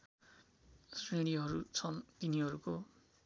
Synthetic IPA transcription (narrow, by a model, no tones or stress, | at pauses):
sineɽ̃iɦʌɾut͡sʰʌnt̪iniɦʌɾuko